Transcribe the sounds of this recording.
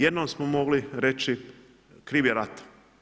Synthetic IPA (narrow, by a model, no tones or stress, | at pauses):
jed̪nomsmomo̞ɡliɾet͡ʃi | kɾiːʋjeɾat̪ḁ